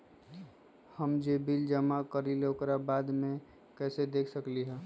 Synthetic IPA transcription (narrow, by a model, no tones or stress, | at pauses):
həmd͡ʒebild͡ʒəmakəɾilokɾabaːd̪mẽ | kɛːsed̪eːkʰsəkliɦɛ̃